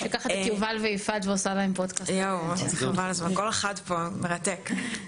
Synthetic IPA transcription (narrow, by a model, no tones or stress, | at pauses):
ʃekaχat̪akiuvalveifad̪veosalaempod̪kastjowaχavalazmankoleχad̪pomeʁat̪ek